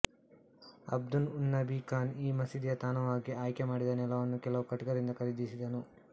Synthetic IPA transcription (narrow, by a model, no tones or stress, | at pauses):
ɐ̰b̚d̪ununːɐbikaːniːmɐsid̪jɐt̪aːnɐʋaːɡiaːjkemaːɽid̪ɐnɛlɐʋɐnːukɛlɐʋukɐʈɡɐɾind̪ɐkɐɾid̪isid̪ɐnu